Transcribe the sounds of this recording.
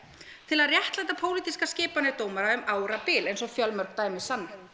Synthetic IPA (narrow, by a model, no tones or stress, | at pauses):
t̪ʰɪlaðrjɛht̪lajt̪apʰoːwlit̪iskaskcɪːpanɪt̪oːwmaɾaʏmaːwɾapɪːlejnsɔfjœlmœɾk̚t̪aːjmɪsanːa